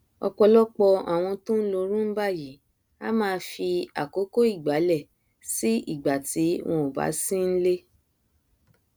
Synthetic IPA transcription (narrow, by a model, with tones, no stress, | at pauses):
ɔ̰˧k͡pɔ˧lɔ˦k͡pɔ˧a̰˨w̃ɔ̃˧tũ˦n̩˦lo˧ɾũ˦n̩˦ba˦˨ji˨˦ | a̰˦mãː˧fi˧a̰˨ko˨˦ko˦i˦˨ɡ͡ba˨˦lɛ˦˨ | si˦ḭ˦˨ɡ͡ba˨ti˨˦w̃ʔɔ̃˧o˨ba̰˨˦sĩ˦n̩˦le˦